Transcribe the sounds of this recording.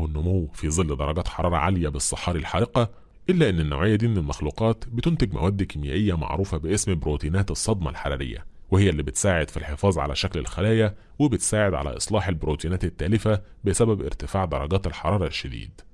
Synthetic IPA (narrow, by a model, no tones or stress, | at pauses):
henːʊmowːfizˤɨlːed̪ɑɾˤɑɡæːt̪ħɑɾˤɑːɾˤɑ̰ʕaljæbesˤːɑħːɑːɾilħɑ̰ʔqɑ | ʔɪlːæʔenːɪnːo̰wʕejːæd̪iːmɪnelmɑxluːqɑːt̪bɪt̪ʊnt̪eɡmæ̰wæːd̪ːkɪmjæ̰ːʔɪjːæmɑ̰ʕɾˤuːfɑbɪʔesmbɾot̪iːnæːt̪esˤːɑd̪mɑ̰lħaɾæ̰ɾɪ̰jːæ̰ | wɪhɪjːælːiːbɪt̪saːʕed̪̥filħefɑːzˤʕa̰læ̰ʃæklḛlxælæːjæ | webɪt̪saːʕed̪ʕa̰læ̰ʔɨsˤlɑːħelbɾoːt̪iːnæːt̪ɪt̪ːæːlɪfæ | bɪsæbæbʔɪ̰ɾt̪ɪfaːʕd̪ɑɾˤɑɡæːt̪elħɑ̰ɾˤɑːɾˤɑʃːæd̪ḭːd̪